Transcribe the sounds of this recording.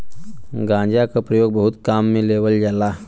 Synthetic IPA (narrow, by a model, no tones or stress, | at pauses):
ɡãːd͡ʒakapɾəjoːɡ̚bəɦʊt̪kaːmːẽleːʋəld͡ʒala